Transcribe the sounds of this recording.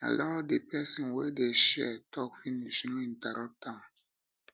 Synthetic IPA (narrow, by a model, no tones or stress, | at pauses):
a̰lɔdepɛsɔ̃nwedeʃɛ̰tɔkfiniʃnoĩntaɾɔtã